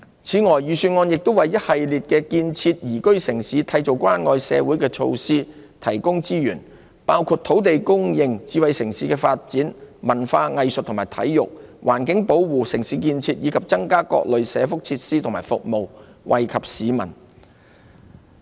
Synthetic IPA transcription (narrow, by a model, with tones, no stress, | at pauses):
t͡sʰiː˨˥ŋɔː˨˩jːyː˨syː˧nŋɔː˧njɪ˨k̚t̪o˥wɐ˨jːɐ˥t̚hɐ˨jliː˨t̚kɛː˧kiː˧nt͡sʰiː˧t̚jiː˨˩kɵ˥ɥsɪ˨˩ŋsiː˨˥t̪ʰɐ˧jt͡so˨˩wkʷwaː˥nŋɔː˧jsɛ̰ː˨˧wu˨˥jkɛː˧t͡ʃʰo̰˧wsiː˥ | t̪ʰɐ˨˩jkʊ˥ŋt͡siː˥jyː˨˩n | paː˥wkʰuː˧t̪̚ʰo˨˥wt̪e˨jkʊ˥ŋjɪ˧ŋt͡siː˨˧wɐ˨jsɪ˨˩ŋsiː˨˥kɛː˧faː˧t̚t͡siː˨˥nmɐ˨˩nfaː˧ŋɐ˨jsə˨t̚t̪ʰmaː˨˩jt̪ʰɐ̰˨˥jːʊ˨k̚wʔaː˨˩nkɪ˨˥ŋpo˨˥wwuː˨sɪ˨˩ŋsiː˨˥kiː˧nt͡sʰiː˧t̚jiː˨˧kʰɐ˨p̚t͡sɐ˥ŋkaː˥kɔ̰ː˧k̚lɵ˨ɥsɛː˨˧fʊ˥k̚t͡sʰiː˧t̚siː˥t̪ʰmaː˨˩fʊ˨k̚mo˨wwʔɐ̰˨jkʰɐ˨p̚siː˨˧mɐ̰˨˩n